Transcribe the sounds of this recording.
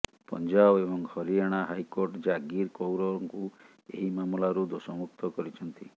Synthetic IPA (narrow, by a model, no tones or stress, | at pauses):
pɔ̰nd͡ʒabebɔŋhɔɾieɽ̃aɦajkoɾʈd͡ʒaɡiɾkowɾɔŋku | ḛɦimamulaɾud̪osɔmuk̚t̪ɔkɔɾit͡ʃʰɔnt̪i